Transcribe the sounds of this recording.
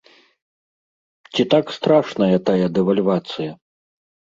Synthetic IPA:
t͡sʲit̪akst̪ɾaʂnɐjɐt̪ajɐd̪ɛvɐlʲvat̪sɨjɐ

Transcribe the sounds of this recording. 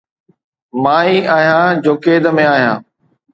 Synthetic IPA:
maːiʔaːɦijãːd͡ʑoːkeːd̪əmẽaːɦjã̰ː

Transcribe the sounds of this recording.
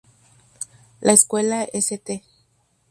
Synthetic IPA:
lʔaeskwelaeset̪e

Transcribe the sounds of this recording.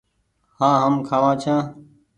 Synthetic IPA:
hãːɦəmkʰaːʋãːt͡ʃʰãː

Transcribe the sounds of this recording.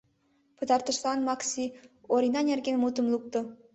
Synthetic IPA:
pɤ̆t̪ɑrt̪ə̆ʃlɑnmɑksʲioɾinɑnʲerɡʲenmut̪ə̆mlˠuk̚t̪ɤ̆

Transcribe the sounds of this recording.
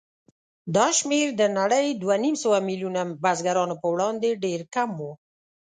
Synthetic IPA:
d̪ɑʃmeɾd̪ənaɽəjd̪wanimsəwamiljunabazɡaɾɑnopəwɽɑnd̪eɖeɾkamwo

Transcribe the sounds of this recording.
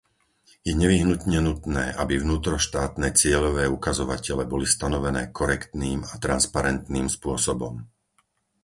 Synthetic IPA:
jɛɲɛʋiɦnut̪ɲɛnut̪nɛːʔabivnuːt̪ɾɔʃt̪aːt̪nɛt͡sɪɛʎɔʋɛːukazɔʋacɛlɛbɔlist̪anɔʋɛnɛːkʰɔɾɛkt̪niːmat̪ɾanspaɾɛnt̪niːmspʊɔsɔbɔm

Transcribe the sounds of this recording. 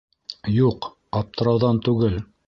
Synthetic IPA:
juq | ɑp̚t̪ɤ̆ɾɑwðɑnt̪ʉɡɘl

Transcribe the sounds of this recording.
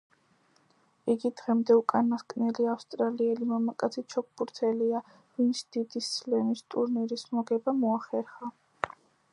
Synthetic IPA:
iɡid̪ʁɛmd̪ɛukʼanːaskʼnɛliafst̪ʼɾaliɛlimamakʼat̪sʰit͡ʃʰɔk̚ʰbuɾt̪ʰɛlia | vint̪sʰd̪̥id̪isːlɛmist̪ʼuɾniɾismɔɡɛbamɔaχɛɾχa

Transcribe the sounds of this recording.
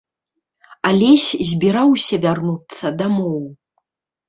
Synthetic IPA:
alʲɛsʲzʲbʲiɾawsʲɐvʲarnut̪sɐd̪amɔw

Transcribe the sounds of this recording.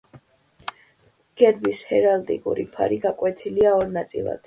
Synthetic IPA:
ɡ̥ɛɾbishɛɾalt̪ʼḭkʼṵɾipʰa̰ɾiɡakʼwɛt̪ʰiliaɔɾnat̪sʼḭlˠa̰d̪̥

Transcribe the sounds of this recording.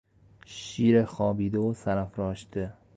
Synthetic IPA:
ʃiɾeχɒːbid̪ɪʊsaɾafɾɒːʃt̪ɪ

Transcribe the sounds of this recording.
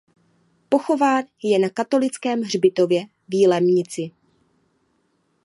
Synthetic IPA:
po̞xo̞vaːnjɛnakat̪o̞lɪt͡skɛːmɦr̝bɪt̪o̞vjɛ | viːlɛmɲɪt͡sɪ

